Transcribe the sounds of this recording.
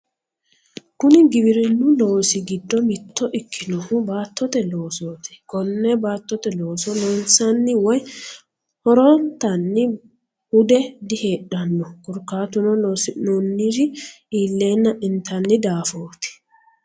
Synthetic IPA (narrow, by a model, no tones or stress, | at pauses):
kʊnɪɡɪbɪɾɪnːʊloːsɪɡɪd̪ːɔmɪt̪ːɔʔɪkʰːɪnɔhʊbaːt̪ʰːɔt̪ɛloːsoːt̪ɪ̥kɔnːɛbaːt̪ːɔt̪ɛlo̞ːsɔloːnsɐnːɪwɔj | hɔɾɔnt̪ɐnːɪ | hʊd̪ɛd̪ɪhe̞ːᶑɐnːɔkʊɾkːaːt̪ʊnɔloːsɪnonːiɾɪ | iːlːe̞ːnːɐʔɪnt̪ʰːɐnːɪd̪aːfoːt̪ɪ̥